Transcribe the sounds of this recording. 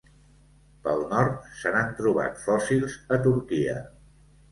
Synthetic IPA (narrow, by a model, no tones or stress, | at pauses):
pəlˠnɔɾt̪̚sənant̪ɾuβ̞a̰t̪fɔsilˠzət̪uɾkiə̰